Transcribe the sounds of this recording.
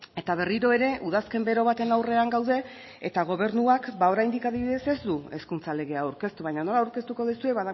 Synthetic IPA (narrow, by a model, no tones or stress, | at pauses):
e̞t̪aβ̞e̞riɾo̞e̞ɾe̞ʔuð̞aske̞mbe̞ɾo̞β̞at̪e̞nawre̞aŋɡawðe̞ː | t̪aɣ̞o̞β̞e̞ɾnuakbao̞ɾajnd̪ikaðiβiðe̞se̞zd̪ue̞skunt͡sale̞ɣ̞e̞awɾke̞st̪uβajɲano̞laːwɾke̞st̪uko̞ðisue̞βaða